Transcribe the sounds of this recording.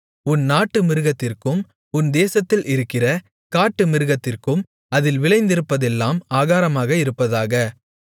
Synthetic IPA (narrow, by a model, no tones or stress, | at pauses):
ʊnnaːʈːɯmɪɾɯɣɐt̪ːɪrkɯm | ʊnd̪eːsɐt̪ːɪlʔɪɾɯkːɪrɐ | kaːʈːɯmɪɾɯɣɐt̪ːɪrkɯm | ɐðɪlʋɪɭɐɪnd̪ɪɾɯpːɐðɛlːaːmaːɣaːɾɐmaːɣɐɪɾɯpːɐðaːɣɐ